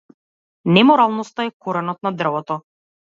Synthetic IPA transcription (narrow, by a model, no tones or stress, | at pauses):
nɛmɔɾalˠnɔst̪aɛkɔɾɛnɔt̪̚nad̪r̩vɔt̪ɔ